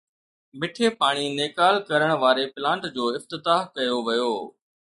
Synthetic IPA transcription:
mɪʈʰepaːɽ̃ineːkaːlkɐɾəɽ̃ʋaːɾepɪlãːɳʈd͡ʑoːɪft̪ɪt̪aːɦkɐjoʋɐjoː

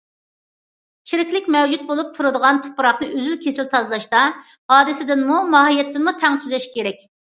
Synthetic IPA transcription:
t͡ʃʰiɾɪkʲlɪkʲmɛwd͡ʒut̪̚bolˠup̚t̪ʰuɾɨd̪əʁɑnt̪ʰʊ̥pʰʊɾɑχnɨʔøzylkʲʰesɪlt̪ʰɑzlˠɑʃt̪ɑ | ɑːd̪ɪsɪd̪ɪnmumɑɦijɛt̪ːɪnmut̪ʰɛŋt̪ʰyzɛʃkʲʰeɾɛk̚ʲ

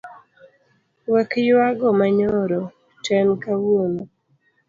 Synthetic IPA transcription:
wɛkjwaɡɔmaɲɔɾɔ | tɛnkawono

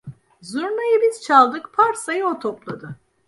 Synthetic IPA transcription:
zuɾmajɯbiz̥t͡ʃʰalˠd̪ɯkpʰaɾsajɯot̪ʰoplˠad̪ɯ

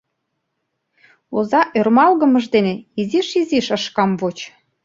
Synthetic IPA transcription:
ozɑʔørmɑlɣə̆mə̆ʒd̪eneiziʃiziʃə̆ʃkɑmvot͡ɕ

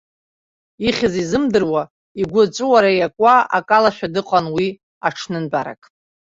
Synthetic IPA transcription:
iχʲɪzizɨmdɨrwa | iɡʷʊt͡sʷʼɨwaɾajakʷʼaa̰kʼalaʃᶣadɨqʼanwi | aʈ͡ʂʰnɨnbʼaɾa̰kʼ

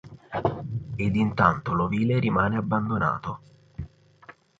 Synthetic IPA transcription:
ed̪int̪ant̪oloviːleɾimaːneabːand̪ona̰ːt̪o

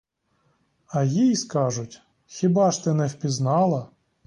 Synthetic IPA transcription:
ɐjijskɑʒʊtʲ | xʲibɑʃt̪ɪnɛwpʲiznɑlˠɐ

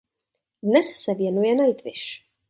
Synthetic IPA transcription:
næsæsævjænujænæjt̪ːəʃ

